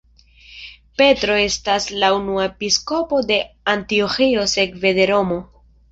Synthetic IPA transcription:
pe̞tɾo̞e̞staslaunuaepisko̞po̞de̞antioxio̞se̞kve̞d̪e̞ɾo̞mo̞

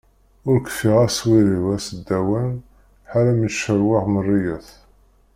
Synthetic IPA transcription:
ʊɾkfiʁæswiɾiwæsəd̪ːæwæn | ħalæməʃəɾwɪʁmərːijæθ

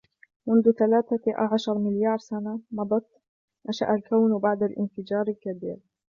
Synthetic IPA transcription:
mʊnd̪ʊθalaːθaʔa̰ʕaʃɑɾˤmɪljɑːɾˤsanamɑd̪ˤɑt̪ | ʔaʃa̰ʔalkawnbaʕd̪alʔɪnfɪd͡ʒɑːɾˤɪlkabiːɾ

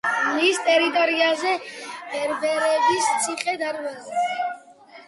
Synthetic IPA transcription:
list̪ʼɛɾit̪ʼɔɾiazɛ̥ɛɾbɛɾɛbist̪sʰiχʼɛd̪aɾvazɛ

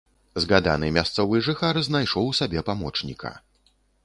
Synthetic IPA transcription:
zɣad̪a̰nɨmʲast̪sɔvɨjʐɨxaɾznajʂɔwsabʲɛpamɔt͡ʂnʲikʰɐ̰

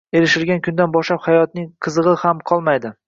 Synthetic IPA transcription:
e̞ɾɪʃɪɾɡʲankʰʊnd̪anbɒʃlaphajɒt̪̚nɪŋqʰɨzɨʁɨhamqʰɒlˠmajd̪ɪ

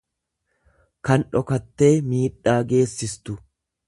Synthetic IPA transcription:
kɐnᶑɔkɐt̪ːe̞ːmiːᶑaːɡe̞ːsːɪst̪ʊ

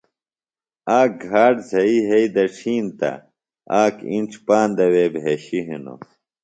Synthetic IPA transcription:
aːɡʱaːɖzɐiɦeid̪ɐʈ͡ʂʰiːnt̪ɐ̰ | aːkḭnʈ͡ʂʰpaːnd̪ɐweːbʱeɕiɦḭno̰

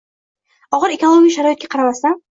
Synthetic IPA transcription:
ɒʁɨɾekolˠoɡʲijʃaɾɒjt̪̚ɡʲaqʰɑɾamast̪an

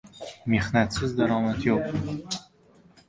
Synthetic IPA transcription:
me̞hnat̪sɪzd̪aɾɒmat̪ʰjoq̚

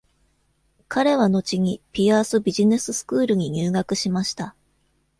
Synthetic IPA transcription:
kaɾe̞β̞ano̞t͡ɕiɲ̟ipʲiaːsɨbʲiʑine̞sɨsɨ̥kɯːɾɯ̟ɲ̟iɲ̟ɨːɡakɯ̟ɕimaɕi̥t̪a

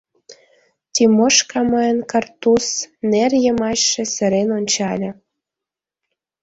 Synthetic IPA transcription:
t̪ʲimoʃkɑməjənkɑrt̪usnerjəmɑɕːĕsə̆ɾenonʲt͡ɕɑlʲɤ̆

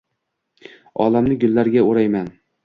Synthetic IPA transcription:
ɒ̰ːlamnɪɡʲʊlːæɾɡʲauɾajmæn

